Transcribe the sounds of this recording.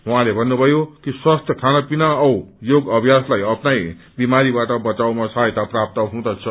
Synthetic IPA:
ɦwãlebʱʌnːubʱʌjokiswast̪ʰjʌkʰanʌpinaʌwjoɡʌbʱjaslajʌpnaj | bimaɾibaʈʌbʌt͡sawmasaet̪aprap̚t̪ʌɦɦũd̪ʌt͡sʰʌ

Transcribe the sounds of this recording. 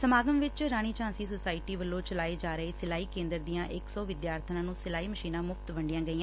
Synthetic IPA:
səmaːɡəmʋɪt͡ʃɾaːɽ̃iːt͡ʃãːnsiːsʊsaːɪʈiːʋəlːõːt͡ʃəlaːeːd͡ʒaːɾəeːsɪlaːiːkẽːnd̪əɾd̪ijãːʔɪkksɔːʋɪd̪jaːɾt̪ʰnãːnũːsɪlaːiːməʃiːnãːmʊfʰt̪ʋəɳɖɪjãːɡəiːãː

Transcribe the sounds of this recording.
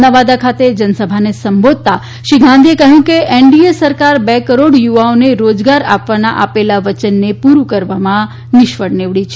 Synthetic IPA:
aʋad̪akʰat̪ed͡ʒənəsəbʱanesəmbʱod̪̚t̪a | ʃiɡʱãnd̪ʱiekəɦjũkeʔeɳɖiesəɾkaɾbɛkəɾoɽjuʋaoneɾod͡ʒɡaɾapʋana̰ʔa̰pelaʋət͡ʃənːepuɾukəɾʋamã | nɪʃʋəɽneʋɽit͡ʃʰ

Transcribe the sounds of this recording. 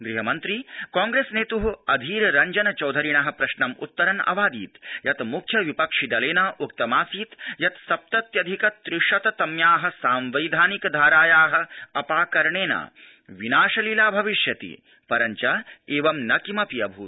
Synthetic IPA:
ɡɾiɦɐmɐnt̪ɾikaːŋɡɾeːsneːt̪uɦuɐd̪ʱiːɾɾɐɲd͡ʒɐnɐt͡ʃɐwd̪ʱɐɾiɳɐɦɐ̆pɾɐʃnɐmṵt̪ːɐɾɐnɐ̰ʋaːd̪iːt̪jɐt̪mukʰjɐʋipɐkʂid̪ɐleːnaːʔuk̚t̪ɐmaːsiːt̪jɐt̪sɐp̚t̪ɐt̪jɐd̪ʱikɐt̪ɾiʂɐt̪ɐt̪ɐmjaːɦɐ̆saːmʋɐjd̪ʱaːnikd̪ʱaːɾaːjaːɦɐ̆ɐpaːkɐɾɳeːna̰ː | ʋinaːʃɐlilaːbʱɐʋiʃjɐt̪ḭ | pɐɾɐɲt͡ʃɐeːʋɐmnɐkimɐpijɐbʱuː

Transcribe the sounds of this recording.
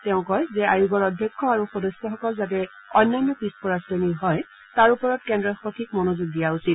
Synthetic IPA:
tɛʊ̃kɔjzɛajuɡɔɹɔdʱjɔkʰːɔaɹuxɔdɔsjɔxɔkɔlzat̬ɛ | ɔjnːanːɔpispɔɹasdɔniɦɔj | taɹupɔɹɔtkɛndɹɔxokʰik̚mɔnozuɡ̚dijausit̚

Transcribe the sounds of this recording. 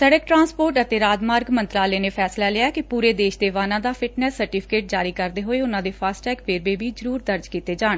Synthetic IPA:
sɛɽəkʈɾãːspoːɾʈət̪eːɾaːd͡ʒ̪maːɾɡmə̃nt̪ɾaːleːneːpʰɛːslaːlɪaːɛkɪpuːɾeːd̪eːʃd̪eːʋaːnãːd̪aːpʰɪʈnɛːsːəɾʈiːpʰɪ̥keːʈ̚d͡ʒaːɾiːkəɾd̪eːɦoːeːʊnãːd̪eːpʰaːsʈɛːkʋeːɾbeːbiːzəɾuːɾd̪əɾd͡ʒkiːt̪eːd͡ʒaːɳ

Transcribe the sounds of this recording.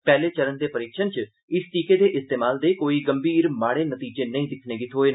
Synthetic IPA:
pɛːleːt͡ʃəɾənd̪eːpəɾɪkʃənt͡ʃ | ɪsʈiːkeːd̪eːʔɪst̪eːmaːld̪eːkoːiːɡəmbiːɾmaːɽeːnət̪iːd͡ʒeːnəĩːd̪ɪkʰneːɡɪt̪ʰɦoːeː

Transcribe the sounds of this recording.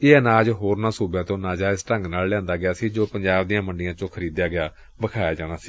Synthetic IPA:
eːənaːd͡ʒɦoːɾnaːsuːbɛ̃ːt̪õːnaːd͡ʒaːɪsʈəŋɡnaːllɛ̃ːnd̪aːɡɪaːsiːd͡ʒoːpəɲd͡ʒaːbd̪ijãːməɳɖɪjãːt͡ʃõːkʰəɾiːd̪jaːɡɪaː | bəkʰaːjaːd͡ʒaːɽaːsiː

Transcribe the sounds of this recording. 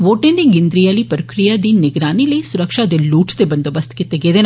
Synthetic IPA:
ʋoːʈẽnd̪iɡɪnd̪ɾijaːlipɾɐkɾijad̪inɪɡɾaːnilɐisʊɾəkʃad̪eluːʈʰt̪ebɐnd̪obɐst̪kit̪ːeɡeːd̪eːn

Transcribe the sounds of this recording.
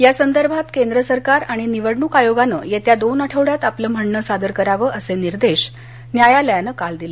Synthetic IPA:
jasənd̪əɾbʱat̪kend̪ɾəsəɾkaɾaɽ̃iniʋəɽɳukajoɡanə̰jet̪jad̪onəʈʰəʋɽjat̪apləːm̤əɳɳəsad̪əɾkəɾaʋəːʔəseniɾd̪eɕ | njajaləjanəkald̪ilə

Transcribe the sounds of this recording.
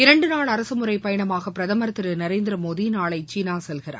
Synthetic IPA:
ɪɾɐɳɖɯnaːɭɐɾɐsɯmɯɾɐɪpɐjɐɳɐmaːɣɐpːɪɾɐðɐmɐɾɐt̪ːɪɾɯnɐɾeːnd̪ɪɾɐmoːðinaːɭɐɪt͡ʃiːnaːsɛlɣɪɾa̰ː

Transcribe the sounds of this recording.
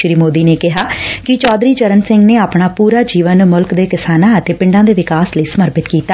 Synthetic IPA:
ʃɾiːmoːd̪iːneːkɪɦaːkɪt͡ʃɔːd̪ɾiːt͡ʃəɾənsɪ̃ŋɡneːaːpɳ̃aːpuːɾaːd͡ʒiːʋənmʊlkd̪eːkɪsaːnãːət̪eːpɪ̃ɳɖãːd̪eːʋɪkaːsləiːsəməɾpɪt̪kiːt̪aː

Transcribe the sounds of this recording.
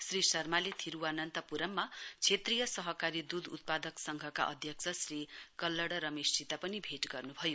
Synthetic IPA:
srisʌrmalit̪ʰiɾuwanʌnt̪ʌpuɾʌmːat͡sʰet̪rijʌsʌɦʌkaɾid̪ud̪ṵt̪̚pad̪ʌksʌŋɡʱʌka̰ʔʌ̰d̪ʱjʌk̚t͡sʰʌsrikʌlːʌɽʌɾʌmest͡sit̪apʌnibʱeʈɡʌrnubʱʌjo

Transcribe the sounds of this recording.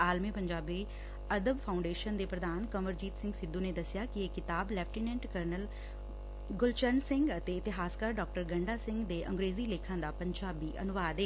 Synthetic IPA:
aːlmiːpəɲd͡ʒaːbi | əd̪əbpʰaːʊ̃ɳɖeːʃənd̪eːpɾəd̪aːnkəməɾd͡ʒiːt̪sɪ̃ŋɡsɪd̪ːũːneːd̪əsɪjaːkieːkɪt̪aːblɛːpʰʈiːnɛ̃ɳʈkəɾnəl | ɡʊlt͡ʃəɾnsɪ̃ŋɡət̪eːɪt̪ɪɦaːskaɾɖɔːk̚ʈəɾɡəɳɖaːsɪ̃ŋɡd̪eːʔə̰̃ŋɡɾeːziːleːkʰãːd̪aːpəɲd͡ʒaːbiːʔə̰nʊʋaːd̪eː

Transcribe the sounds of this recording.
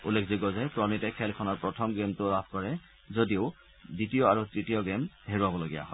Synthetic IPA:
ulːekʰziɡɔzɛpɹɔnitɛkʰɛlkʰɔnɔɹpɹɔtʰɔmɡemtʊlapʰkɔɹɛ | zodioʊ | ditijɔaɹutɹitiɔɡemheɹuabɔloɡija̰ɦɔj

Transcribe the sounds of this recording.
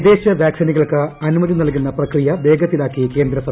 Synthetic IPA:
d̪e̞ːɕɐʋjaːksiniɣɐɭkɨɐnumɐðinɐɭkunːɐprɐkrijɐbe̞ːɡɐt̪ːilaːkːike̞ːnd̪ɾɐsɐ

